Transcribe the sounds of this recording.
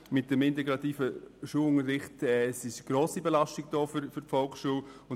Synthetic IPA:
mɪt̚d̥əmɪntɛɡɾɑtiːfəʃuːəlʊŋəɾːɪχtɛsɪʃɡ̥ɾoːsibelaʃtiɡ̚d̥ɔːfyɾfʏɾtfɔlˠksʃuːlʊn

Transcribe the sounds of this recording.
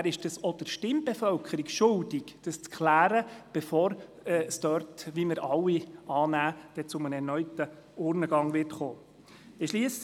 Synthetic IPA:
æɾɪʃd̥ɑsɔd̥əɾʃtɪmbɛfœlkʰəɾikʃʊldikd̥ɑst͡skʰlæːɾəb̥ɛfɔːɾ | ɛsdœɾtʋiməɾʔɑlːiɑːnæːd̥ɛt͡sʊmənɛɾnœʏtə | ʊːɾnəɡ̥ɑŋʋɪrtχoː | ɪʃliəs

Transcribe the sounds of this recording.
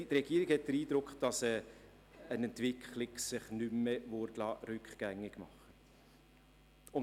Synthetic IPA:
tɾɛɡ̥iːɾɪɡ̥hɛt̚d̥əɾiːd̥ɾʊkχd̥ɑsɛ | ənɛntv̥ɪkʰχlɪksɪχnymːəvʊɾtlɑːɾʏkχɡ̥æŋːɪɡ̥mɑ̰χːə | ʊn

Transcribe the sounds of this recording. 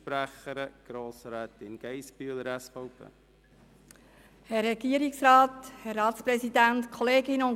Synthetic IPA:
pɾæχəɾəɡ̥ɾoːsɾɛːtɪnɡ̥ɛɪspyːləɾɛsfoʊpʰḛː | hɛrːɛɡ̥iəɾiksrɑːthɛrːɑːtspɾɛsidæntkʰoleːɡɪnəʊn

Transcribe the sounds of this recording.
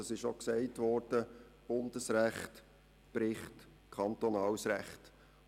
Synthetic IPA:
ɑsɪʃoksɛɪtʋɔɾd̥ə | b̥ʊnd̥əsɾæχt | b̥ɾɪχt | kʰɑnt̪ɔnɑːwsɾæχt

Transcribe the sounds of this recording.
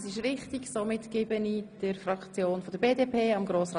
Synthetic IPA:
sɪʃrɪχtɪɡsomɪtkɪːbənid̥əɾfɾɑkt͡sjoːnfɔd̥̪əɾbeːdeːpʰeːɑmɡɾoːsrɑ

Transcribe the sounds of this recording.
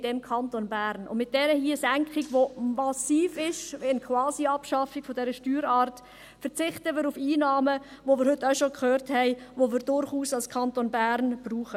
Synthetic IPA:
d̥ɛmkʰɑntonbæːɾnʊ̰nmɪt̚d̥ɛɾəhiəsæŋkχiɡʋomɑsiːfɪʃɛnkʰwɑːsiɑpʃɑfiɡ̥fɔdɛɾəʃtyːɾɑːɾt | fəɾt͡sɪχtəmɪːɾufiːnɑːmə | ʋomɪːɾhʏtːaʊʃokʰχøːɾthɛɪʋomɪːɾd̥ʊɾχuːsɑlskʰɑntonbæːɾnb̥ruːχə

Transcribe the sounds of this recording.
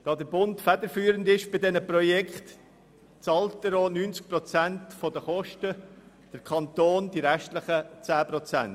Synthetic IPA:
d̥ɑːdəɾbʊntfædəɾfyːɾəndɪʃb̥ɪdɛnəprɔjɛkχt | t͡sɑltːəɾoːnyːnt͡sk̚pɾɔt͡sæntfodəχɔʃtə | d̥əɾkʰχɑnt̪oːnd̥iɾɛʃtlɪχət͡sæːpɾɔt͡sæn

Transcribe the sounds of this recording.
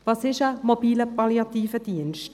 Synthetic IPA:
vɑsɪʃəmob̥iːləpɑljɑtiːfəd̥iənʃt

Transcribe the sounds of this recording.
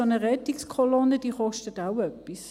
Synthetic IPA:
onəʁɛtikskʰɔlɔnəd̥iːχɔʃtətaʊœpːis

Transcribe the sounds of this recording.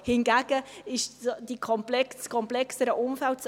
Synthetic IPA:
hɪnɡæɡ̥əɪʃd̥ikʰɔmplɛkskʰɔmplɛksəɾəʔʊmfæltt͡s

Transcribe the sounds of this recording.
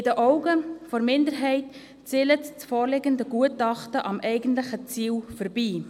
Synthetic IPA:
ɪdəʔɔʊɡəfɔɾmɪndəɾɦɛɪt | t͡silətt͡sfoːɾlɪɡəndəɡuətɑχtəʔɑmʔɛɪɡəntlɪχət͡siːlfəɾbiː

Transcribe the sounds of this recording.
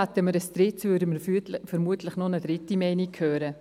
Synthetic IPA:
at̪əməɾəst̪ɾɪtt͡svʏːɾdəməfəɾmuətləχnɔnədɾɪtimɛɪnikʰhøːɾə

